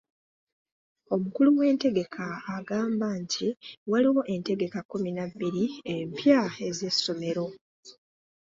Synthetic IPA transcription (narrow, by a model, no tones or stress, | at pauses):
o̞mukuluwe̞ːnte̞ɡe̞kʰaːɡaːmbaɲciwaliwo̞ʔe̞nte̞ɡe̞kakːuminabːiɾiempjae̞ze̞sːo̞me̞ɾo̞